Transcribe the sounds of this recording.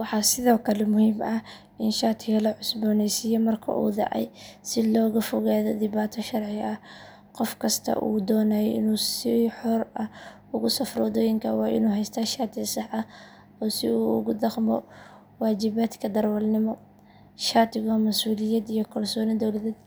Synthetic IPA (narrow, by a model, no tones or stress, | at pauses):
wɑħɑsɪðɔːkʰɐlɛmʊhiːmɐ | ʔɪnʃaːt̪ʰɪɣɐlɐʕʊsbɔːnɛjsɪjɔmɐrkʰɐ̰ʔṵːd̪ɑ̰ʕɛ̰jsɪlɔːɣɐfʊɣaːðɔd̪ɪβaːt̪ʰɔʃɐrʕɪɐh | qɔfkʰɐst̪ʰɐ̰ʔuːd̪ɔːnaːjʔɪ̰nuːsɪħɔrɐ | ʊɣʊsɐfrɔːðɔːjɪŋkʰɐwɑːʔɪ̰nuːɦɛjst̪ʰɐʃaːt̪ʰɪɣsɑħɐ | ɔːsɪuʊ̰ɣʊd̪ɑqmɔ̰ | waːt͡ʃɪβaːt̪kʰɐd̪ɐrwɐlnɪmɔ | ʃaːt̪ʰɪɣɔmɐsuːlɪjɐd̪ijɔkʰɐrsɔːnɪd̪ɔwlɐðɛːd̪